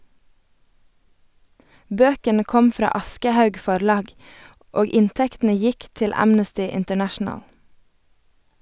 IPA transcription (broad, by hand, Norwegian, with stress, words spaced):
ˈbøːkənə ˈkɔm ˈfɾɑː ˈɑskəˌhɑʉɡ ˈfɔɾˌlɑːɡ ˈoːɡ ˈɪnˌtɛktn̩ə ˈjɪk ˈtɪl ˈæmnəstɪ ɪntəˈnæʃn̩əl